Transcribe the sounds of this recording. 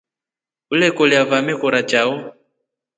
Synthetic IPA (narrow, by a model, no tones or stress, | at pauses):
ulɛkɔliavamɛkɔɾat͡ʃaɔ